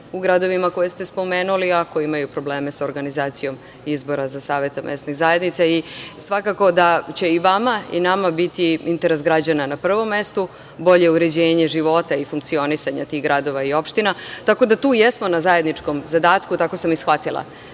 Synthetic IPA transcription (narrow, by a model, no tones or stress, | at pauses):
uɡɾad̪o̞ʋimako̞jest̪espo̞meːnuliakojimajupɾo̞bleːme̞soɾɡanizaːt̪sijo̞m | izbo̞ɾazasaːʋe̞t̪amʔḛst̪niɣzaje̞d̪nit̪saisʋakako̞d̪at͡ɕe̞iʋamaḭnamabit̪iint̪eɾesɡɾad͡ʑananapr̩ʋo̞mːest̪u | bo̞ʎe̞uɾe̞d͡ʑeːɲe̞ʒiʋo̞t̪aifuŋkt̪sio̞nisaɲa̰t̪iɣɡɾad̪o̞ʋaio̞pʃt̪inat̪ako̞d̪at̪uːjesmo̞nazaje̞d̪nit͡ʂko̞mzad̪aːt̪kut̪ako̞samisxʋat̪ilˠa̰